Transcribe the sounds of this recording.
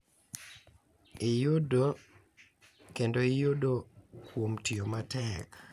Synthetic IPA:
ɪjʊdo | kendoɪjodokwomtiomatɛk

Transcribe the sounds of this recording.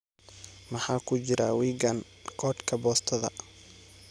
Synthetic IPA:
mɑħɑːkʰʊt͡ʃɪɾʔawiːɡɐnkʰɔːd̪kʰɐbɔːst̪ʰɐðɐ̰

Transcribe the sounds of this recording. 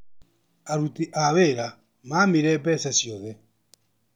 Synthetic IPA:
aɾutiʔaβeɾa | mamiɾɛpɛsɛsjɔðɛ

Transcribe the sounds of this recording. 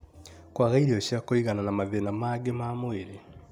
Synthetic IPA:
kwaɣaiɾeoɕjakoiɣananamaðenamaɡemamoeɾe

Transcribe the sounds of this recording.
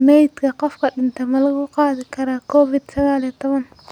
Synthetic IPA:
mɛjd̪kʰɐqɔfkʰɐɖɪnt̪ʰɛmɐlɐɣʊqɑːðɪkʰɐɾaːkʰɔːfɪd̪sɐɣaːliɛt̪ʰɔβɐn

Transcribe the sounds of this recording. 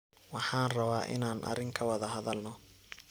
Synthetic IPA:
wɑħɑːnrɐβaːʔɪ̰naːnʔɐ̰ɾɪŋkʰɐwɑðɐɦɐðɐlnɔ

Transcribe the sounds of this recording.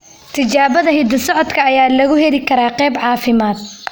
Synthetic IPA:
t̪ʰɪt͡ʃaːβɐðɐɦɪd̪ɐsɔʕɔd̪kʰɐːjaːlɐɣʊhɛlɪkʰɐɾaːqɛːbʕɑːfɪmaːd̪̚

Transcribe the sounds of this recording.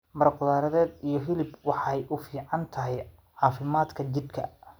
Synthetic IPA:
mɐrqʊðaːɾɐðɛːd̪ijɞɦɪlɪbwɑħɑjʔʊfiːʕɑnt̪ʰɐɦɛj | ʕɑːfɪmaːd̪kʰɐt͡ʃɪd̪kʰɐ̰

